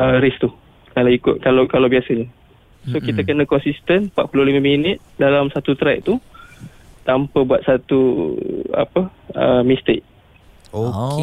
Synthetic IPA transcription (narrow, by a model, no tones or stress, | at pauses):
əɾɪst̪u | kalawikʊ̰t̪̚kalakalawbiasəɲə | sokit̪əkənãkɔnsist̪ənpa̰ʔ̪̚pulʊhlimãminɪt̪̚dalamsat̪ut̪ɾɛʔ̚t̪u | t̪ampəbuat̪̚sat̪ṵ | a̰pəə̰mist̪ek̚ | o